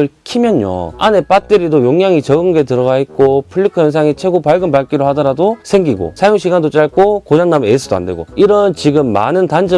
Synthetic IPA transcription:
ɯɭkʰimjʌnjo̰a̰ne̞p͈at͈eɾidojoŋjaŋit͡ɕʌɡɯŋɡe̞tɯɾʌɡaɦet̚k͈opʰɯɭːikʰʌjʌns̬ʰaŋit͡ɕʰwe̞ɡopaɭɡɯmpaɭk͈iɾohadʌɾadosʰe̞ŋɡiɡo̰sʰajoŋɕʰiɡandot͡ɕ͈aɭk͈okod͡ʑaŋnames͈ʰɯdoa̰nde̞ɡo̰iɾʌnt͡ɕiɡɯmːa̰nɯntand͡ʑʌ

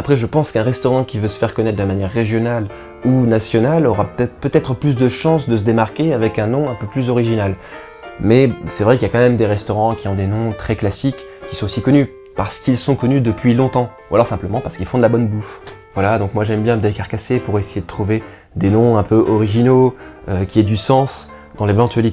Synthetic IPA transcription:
apχɛʒəpɑ̃skɛ̃ʁɛst̪ɔʁɑ̃kʲivøsə̥fɛʁkɔnɛt̪χ̚d̪əmanjɛʁːeʒjɔnal | unasjɔnalɔʁaɛpøt̪ɛt̪χəplys̬d̪əʃɑ̃sd̪əs̬əd̪emaʁkʲeavɛkɛ̃nɔ̃ɛ̃pøplyzɔʁiʒinal | mɛsɛvʁɛkiljakɑ̃mɛmd̪eʁɛst̪ɔʁɑ̃kʲiɔ̃d̪enɔ̃t̪χɛklasikː | isɔ̃t̪osikɔny | paʁsə̥kilsɔ̃kɔnyd̪əpɥilɔ̃t̪ɑ̃ualɔʁsɛ̃pləmɑ̃paʁsə̥kilfɔ̃d̪əlabɔnbufvwalad̪ɔ̃kmwaʒɛmbjɛ̃d̪ekaʁkasepuʁesejed̪ət̪χuve | d̪enɔ̃ɛ̃pøʔɔʁiʒinoøkʲiɛd̪ysɑ̃s | d̪ɑ̃levɑ̃t̪ɥɛlit̪

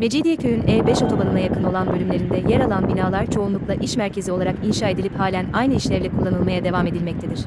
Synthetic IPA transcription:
me̞d͡ʒid̪ijɛcʰøjynɛːbɛʃo̞t̪ʰo̞banɯnajakʰɯno̞lˠanbølʲymlʲe̞ɾind̪ɛjɛɾalˠanbinaːlˠaɾt͡ʃʰo̞unˠuklˠaʔiʃmæɾcʰe̞zio̞laɾakinʃaːe̞d̪ilʲiphaːlʲænajnɯiʃlʲɛɾlʲɛkʰulˠːanɯlˠmajad̪e̞vame̞d̪ilʲmɛc̚t̪ʰed̪iɾ̥

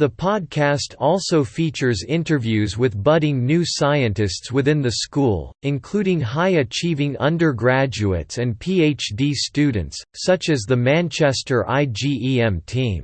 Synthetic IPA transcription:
ðəpʰɑd̚kʰæstʰɔlˠsoʊfit͡ʃə˞zɪ̃ntə˞vjʉzwɨðbʌɾɪ̃ŋnʉsaɪɨ̃ntɨstswɨθɪ̃nðɨskulˠɨ̃nkʰl̥uɾɪ̃ŋɦaɪɨt͡ʃʰivɪ̃ŋʌ̰̃ndə˞ɡɹæd͡ʒʉɨ̰tsɨ̃npʰieɪt͡ʃdistʉdⁿn̩tsːʌt͡ʃɨzðəmæ̃nt͡ʃʰɛstə˞ʔa̰ɪd͡ʒiiɛ̃mtʰĩm

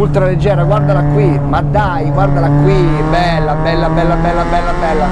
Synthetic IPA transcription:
ult̪ɾaled͡ʒːɛːɾaɡward̪alakwi | mad̪ːajɡward̪alakwi | bɛlːabɛlːabɛlːabɛlːabɛlːabɛlːa

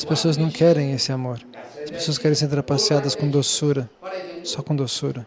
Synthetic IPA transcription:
ɐspesoɐznɐ̃w̃kɛɾẽj̃esɪamoɾɐspe̥soɐskɛɾẽj̃sẽɾd̪eɾapasiad̪ɐskõd̪osuɾɐsɔkõd̪osuɾɐ

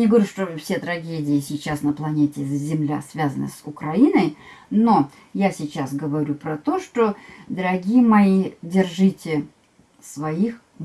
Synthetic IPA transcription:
nʲɪɡəvɐɾʲuʂt̪ofsʲet̪ɾɐɡʲedʲɪɪsʲɪt͡ɕːasnəplˠɐnʲetʲɪzʲɪmlʲasvʲazənə̰sʊkɾɐinəjno | jasʲɪt͡ɕasɡəvɐɾʲupɾɐt̪o̞ʂt̪od̪əɾɐɡʲijəmɐidʲɪrʐɨtʲɪ | svɐix

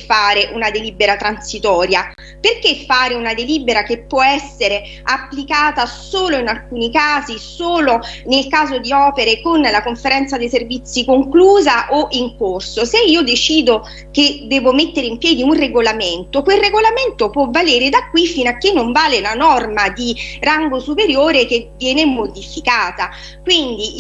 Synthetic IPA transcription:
faːɾeʔunad̪eliːbeɾat̪ɾansit̪ɔːɾja | perkefːaːɾeunad̪eliːbeɾakepːwɔɛsːeɾe | apːlikaːt̪asoːloinalkuːnikaːzisoːlonelkaːzod̪iɔːpeɾekonlakoɱfeɾɛnt̪sad̪ejservit̪sːikoŋkluːzaʔoʔiŋkorsoseiːod̪et͡ʃiːd̪o | ked̪ɛːvomet̪ːeɾeimpjɛːd̪iunreɡolament̪okwelreɡolament̪opwɔvːaleːɾed̪akːwifːinakːenːoɱvaːlenanɔrmad̪iraŋɡosupeɾjoːɾek̟evjɛːnemod̪ifikaːt̪a | kwind̪i

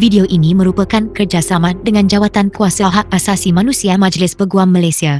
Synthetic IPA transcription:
vidioʔinimə̃ɾupəkankərd͡ʒasamãdəŋãnd͡ʒawat̪ankuasaɦak̚asasimãnũsiamãd͡ʒlɪspəɡuamːəlajsia

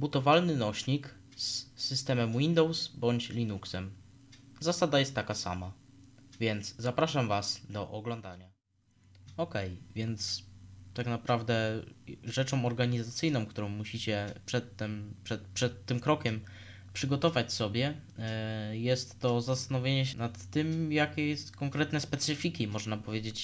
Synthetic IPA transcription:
but̪ɔvalnɘnɔɕɲik | sːɘst̪ɛmɛmwind̪ɔwsbɔɲt͡ɕlʲinuksɛm | zasad̪ajɛst̪ːakasa̰mavʲjɛnt̪zzapɾaʂamvasd̪ɔʔɔɡlɔ̃nd̪aɲa | ɔkɛjvʲjɛnt̪st̪aknapɾavd̪ɛ | ʐɛt͡ʂɔ̃w̃ɔɾɡaɲizat̪sɘjnɔ̃w̃kt̪uɾɔ̃w̃muɕit͡ɕɛpʂɛt̪ːɛmpʂɛt̪pʂɛt̪ːɘmkɾɔkʲɛm | pʂɘɡɔt̪ɔvat͡ɕsɔbʲjɛ | jɛst̪ːɔzast̪anɔvʲjeɲɛɕɛnat̪ːɘmjakʲɛjɛst̪kɔŋkɾɛt̪nɛspɛt̪sɘfʲikʲimɔʐnapɔvʲjed͡ʑet͡ɕ

